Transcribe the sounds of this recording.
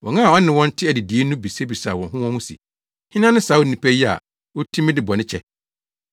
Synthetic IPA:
wɔ̃˨ŋã˦a˨ɔ˦nɪ̃˨wɔ̃˦n̩˦tʰɪ˦æ˨dɪ˨di˨e˦nũ˦bi˨se˦bi˨sa˨wɔ̃˨nɦʊ̃˦wɔ̃˦hũ˦sḭ˨ | hɪ̃˦nã˦nɪ̃˦saː˨˦wo˦˨nĩ˨pʰæ˦ji˦a̰˨ | wɔ˦tʰĩ˦mɪ̃˦dɪ˨bɔ˨nɪ̃˦t͡ɕʰɛ˦

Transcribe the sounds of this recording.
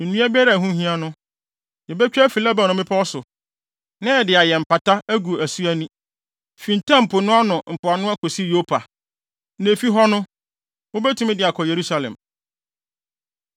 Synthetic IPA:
nũ˦a˦bɪ˦ɛ˦ɾa˨ɦũ˦hĩ˦a˦nʊ̃˦ | jɛ˨bɛ˦t͡ɕᶣːfi˨la˦ba˨n˨ʊ̃˨mɪ̃˦pʰa˦wɔ˦sʊ˨ | nã˦ɛ˨dɪ˨a˨jɛ˨m̩˨pa˨ta˦æ˦ɡu˨æ˨su˦æ˦nũ˦ | fĩ˨n̩˨tʰã˦m̩˨pʰʊ˨nʊ̃˦a˦nʊ̃˨m̩˨pʰʊ˨a˨nʊ̃˦a˦kʰo˨si˦jo˦pʰa˨ | ne˨fi˦ɦɔ˦nʊ̃˦ | wo˦bɛ˦tũ˦mɪ̃˦dɪ˨a˨kʰɔ˨je˨ɾu˦sa˨lɛ̰̃˨m

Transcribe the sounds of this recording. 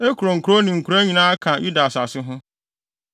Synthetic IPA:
e˦ku˨ɾo˨ŋ̩˨ku˨ɾo˦nɪ̃˨ŋ̩˨kʰu˨ɾa˦ɲĩ˨nãː˦a˦kʰã˨jʔu˦da˨sa˨sɪ˦ɦʊ̃˦

